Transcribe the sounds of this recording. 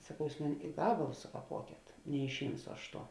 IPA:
sɐˈkɐʊ ˈjuːs ˈmʊnʲɪ ɪ ˈɡɑːbɐlˠʊs sʊkɐˈpuɔkʲeːt nʲɛɪʃʲˈɪmsʊ ˈɐʃ ˈtuɔ

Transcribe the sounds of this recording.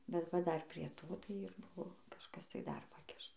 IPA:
bʲɛt ˈʋɐ ˈdɐr pʲrʲiɛ ˈtoː tɐɪ ɪr ˈbʊʋoː kɐʃˈkɐs tɐɪ dɐr pɐˈkʲɪʃ

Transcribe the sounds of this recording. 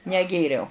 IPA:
nʲɛˈɡʲeːrʲɛʊ

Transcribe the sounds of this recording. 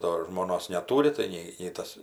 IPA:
ˈdoː ʒmoːˈnoːs nʲɛˈtuːrʲɪ tɐɪ ˈnʲɛɪ nʲɛɪ ˈtɐs

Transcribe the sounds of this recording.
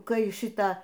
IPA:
ˈkɐɪ ˈʃʲɪtɑː

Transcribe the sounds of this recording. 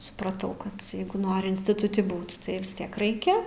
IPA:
sʊprɐˈtɐʊ ˈkɐt ˈjɛɪɡʊ ˈnoːrʲɪ ɪnʲsʲtʲɪtʊˈtʲɪ ˈbuːt ˈtɐɪ ʋʲɪsʲˈtʲiɛk ˈrɐɪkʲɛ

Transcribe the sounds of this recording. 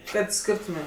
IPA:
ˈkɐt ˈsʲkʲɪrtʊmʲeːm

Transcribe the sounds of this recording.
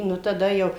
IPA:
ˈnʊ tɐˈdɐ jɛʊ

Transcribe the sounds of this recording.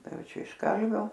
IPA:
ˈtɐɪ ˈjɛʊ ˈt͡ʃʲɛ ɪʃ ˈkɐlʲʋʲoː

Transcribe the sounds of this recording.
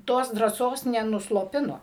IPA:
ˈtoːs drɑːˈsoːs nʲɛnʊslˠoːˈpʲɪnoː

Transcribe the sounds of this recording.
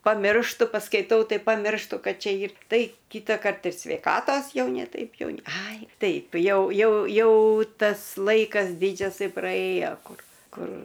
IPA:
pɐˈmʲɪrʃtʊ pɐskɐɪˈtɐʊ ˈtɐɪ pɐˈmʲɪrʃtʊ ˈkɐt ˈt͡ʃʲɛ ˈiːr ˈtɐɪ ˈkʲiːtɐkɐrt ɪr sʲʋʲɛɪˈkɑːtoːs ˈjɛʊ nʲɛ ˈtɐɪp ˈjɛʊ nʲɛ ˈɐɪ ˈtɐɪp ˈjɛʊ ˈjɛʊ ˈjɛʊ ˈtɐs ˈlˠɐɪkɐs ˈdʲɪd͡ʒʲɛsɐɪ prɐˈeːjoː ˈkʊr ˈkʊr

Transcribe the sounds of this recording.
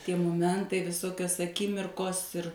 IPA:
ˈtʲiɛ moːˈmʲɛntɐɪ ʋʲɪˈsoːkʲoːs ɐˈkʲɪmʲɪrkoːs ɪr

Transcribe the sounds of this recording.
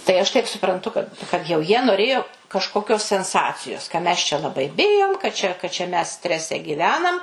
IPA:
tɐɪ ˈɐʃ tɐɪp sʊprɐnˈtʊ kɐt kɐt jɛʊ ˈjiɛ noːˈrʲeːjoː kɐʃkoːˈkʲoːs sʲɛnˈsɑːt͡sʲɪjoːs kɐ mʲɛs t͡ʃʲɛ lˠɐˈbɐɪ ˈbʲɪjoːm kɐ t͡ʃʲɛ kɐ t͡ʃʲɛ mʲɛs ˈsʲtʲrʲæːsʲɛ ɡʲiːˈʋʲæːnɐm

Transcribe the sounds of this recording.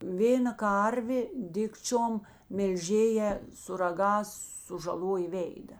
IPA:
ˈʋʲeːnɐ ˈkɐrʲʋʲeː ˈdʲɪkt͡ʃʲoːm mʲɛlʲˈʒʲeːjæː sʊ rɐˈɡɑːs sʊʒɐˈlˠoːjeː ˈʋʲeːɪdɐ

